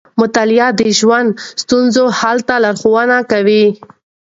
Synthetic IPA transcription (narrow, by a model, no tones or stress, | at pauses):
mʊt̪alɪjɑd̪əʒwand̪st̪unzohalt̪alaɾxowanakawi